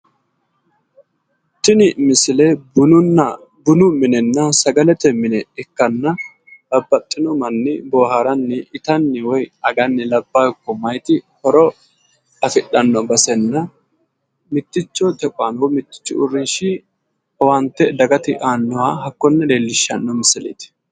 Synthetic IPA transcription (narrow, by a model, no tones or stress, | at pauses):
t̪ːɪnɪmɪsɪlɛbʊnʊnːɐ | bʊnʊmɪnɛnːɐsɐɡɐlɛt̪ɛmɪnɛɛkːɐnːɐ | bɐbːɐt̪ʼːɪnɔmɐnːɪboːhaɾɐnːɪɪt̪ɐnːɪwɔjɐɡɐnːɪlɐbːajkːɔmɐjt̪ɪhɔɾɔ | ɐfɪɗːɐnːɔbɐsɛnːɐ | mɪt̪ːɪt͡ʃːɔt̪ɛkʼʊanwmɪt̪ːɪ̥t͡ʃːɪ̰ʊriʃɪ | ɐwɐnt̪ːɛd̪ɐɡɐt̪ɪʔaːnːɔwaɦɐkːɔnːɐd̪eːlːɪʃːɐ̰nːɔmɪsɪlḛːt̪ɪ̥